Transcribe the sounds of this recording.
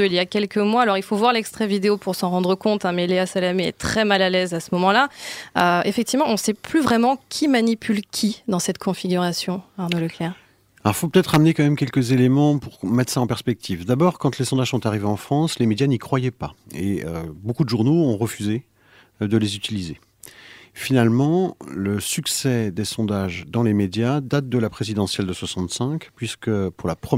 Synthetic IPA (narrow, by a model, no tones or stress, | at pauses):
øiljakʲɛlkəmwaalɔʁilfovwaʁlɛkst̪χɛvid̪eopuʁsɑ̃ʁɑ̃d̪ʁəkɔ̃t̪ɛ̃mɛleasalameɛ̰t̪χɛmalalɛzasəmɔmɑ̃laøefɛk̚t̪ivmɑ̃ɔ̃sɛplyvʁɛmɑ̃kʲʰimanipʰylkʲʰid̪ɑ̃sɛt̪kʰɔ̃fiɡʲyʁasjɔ̃aʁnoləklɛʁ | aɔifopət̪ɛt̪χamnekɑ̃mɛmkʲɛlkəzelemɑ̃puʁmɛt̪saɑ̃pɛʁspɛk̚t̪ʰivd̪abɔʁkɑ̃t̪lesɔ̃d̪aʒsɔ̃t̪aʁiveɑ̃fχɑ̃slemed̪janikχwajɛpaḛøbokud̪əʒuʁnoɔ̃ʁəfyze | d̪əlezyt̪ilize | finalmɑ̃ləsyksɛd̪esɔ̃d̪aʒd̪ɑ̃lemed̪jad̪at̪̚d̪əlapχezid̪ɑ̃sjɛld̪əswasɑ̃t̪sɛ̃kpɥiskəpuʁlapχə